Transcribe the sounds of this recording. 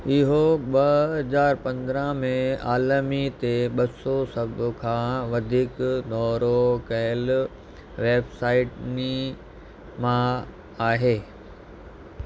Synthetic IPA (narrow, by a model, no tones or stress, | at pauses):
ɪɦoɓɐɦɐzaːɾpɐ̃nd̪ɾə̃mẽaːlmit̪eɓɐsosɐbʱʊkʰãːʋɐd̪ʱiːkd̪ɔːɾokɐɪl | ʋeːbsaːɪʈni | mã | aːɦeː